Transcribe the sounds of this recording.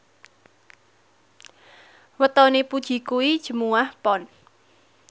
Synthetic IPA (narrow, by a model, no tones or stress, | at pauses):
wət̪ɔnepud̥ʒ̥i̤kuwid̥ʒ̥ə̤muwahpɔn